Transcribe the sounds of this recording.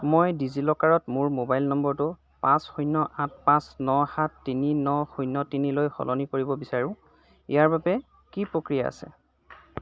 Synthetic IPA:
mojdizilɔkaɹɔtmʊɹmobajlnɔmbɔɹtʊ | pãsxujnɔʔat̚pãsnɔxatːininɔxujnːɔtinilojxɔ̰lʔɔnikoɹibɔbisaɹʊ̃ | ḭjaɹbabɛ | kipɹokɹijaa̰sɛ̰

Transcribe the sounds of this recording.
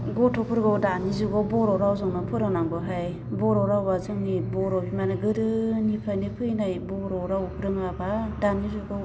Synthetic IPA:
ɡɔtɔpʰɯɾɡɔwdanizuɡɔwbɔɾɔɾawzɔŋnɯpʰɯɾɯŋnaŋɡɔɦaj | bɔɾɔɾawbazɯŋnibɔɾɔbimanɯɡɯɾɯnipʰajnɯpʰɯjnajbɔɾɔɾawpʰɯɾɯŋabadanizuɡɔ

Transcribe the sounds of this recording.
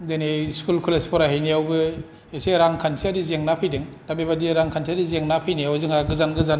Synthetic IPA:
deneskulkʰulespʰɔɾaɦejnijawbɯ | eseɾaŋkʰantʰiadizeŋnapʰɯjdeŋdambebadiɾaŋkʰantʰiadizeŋnapʰɯjniawzɯŋaɡɯzanɡɯzan

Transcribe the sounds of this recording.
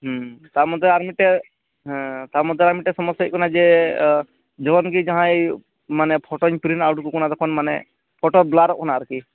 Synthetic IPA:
ɦt̪amɔt̪ɛaɾmiʈɛ | ɦt̪amɔt̪̬ɛaɾmiʈɛsɔmɔsjaikɔnad͡ʒɛ | d͡ʒɔbɔnkid͡ʒaɦã | manɛpʰɔʈɔɲpɾinawʈkukɔnad̪ɔkʰɔnmanɛ | pʰɔʈɔɾblaɾɔk̚kɔnaːɾki

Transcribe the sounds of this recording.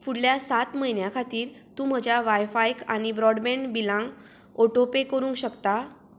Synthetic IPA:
fuɽljasat̪məɦinjakʰat̪iːɾt̪ũːm̤əd͡ʑjaʋajfajkañibɾɔɽbeɳbilãŋɡ | oʈopekəɾũːŋkɕəkt̪a

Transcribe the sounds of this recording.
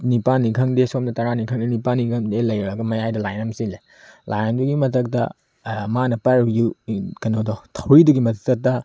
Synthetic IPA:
nipanːikʰɐŋdesomnɐtɐɾanikʰɐŋdenipanːikʰɐmdelɐjɾɐɡɐmɐjajdɐlajnɐmsile | lʔajanbuɡimɐtɐk̚tɐ̰ | manɐpajɾjukɐnodɔtʰɐwɾiduɡimɐttɐtːɐ

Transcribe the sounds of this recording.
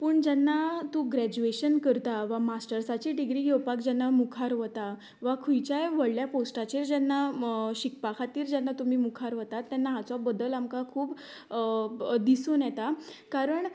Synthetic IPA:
pəɳd͡ʑɛnːat̪ũɡɾæd͡ʑueɕənkəɾt̪aʋamasʈəɾsat͡ɕiɖiɡɾiːjewpakd͡ʑanːamukʰaɾʋət̪a | ʋakʰujt͡ɕajʋəɽljaposʈat͡ɕiːɾd͡ʑanːaɕik̚pakʰat̪iːɾd͡ʑɛnːat̪um̤iːmukʰaɾʋət̪at̪ːjanːaɦat͡sɔbəd̪əlamkakʰuːb | d̪isunjɛt̪akaɾəɳ

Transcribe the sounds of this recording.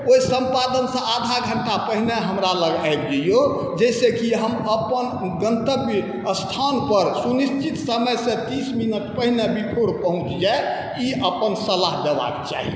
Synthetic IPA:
oisə̃mpad̪ənsə̃ad̪ʱaɡʱəɳʈapəɦineɦəmɾaləɡaeb̚d͡ʒ̪əijo | d͡ʒɛɪsekiɦəməpən | ɡənt̪əb | əst̪ʰanpəɾsunist͡ʃit̪səməjsẽt̪isminəʈ̚pəɦinebipʰoɽpəɦũt͡ʃd͡ʒae | iʔəpənsəlaɦd̪eba̰kt͡ʃa̰ɦḭ

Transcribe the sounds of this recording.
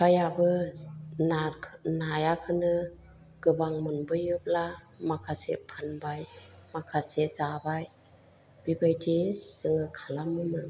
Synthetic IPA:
kʰajabɯ | nʰnajakʰɯnɯ | ɡ̥ɯbaŋmɯnbɯjɯp̚la | makʰasḛpʰanbajmakʰasezabaj | b̥ibajtʰiz̥ɯŋɯkʰalamɯmɯ

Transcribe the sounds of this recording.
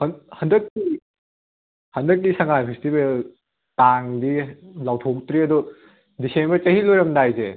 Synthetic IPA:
hɐnhɐndɐk̚ːi | hɐndɐk̚ːisɐŋajpʰestibel | taŋdilawtʰok̚tɾiɐdu | disenbɐɾt͡ʃɐɦilojɾɐmdajze

